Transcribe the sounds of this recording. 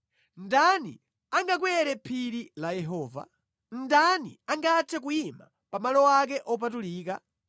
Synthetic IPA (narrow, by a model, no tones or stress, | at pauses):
ndanḭ | aŋɡak̬wɛɾɛpʰiɾilajɛɦɔːva̰ | ndanḭaŋɡatʰɛk̬ujima̰ | pamalɔwak̬ɛʔɔp̬atuliːk̬a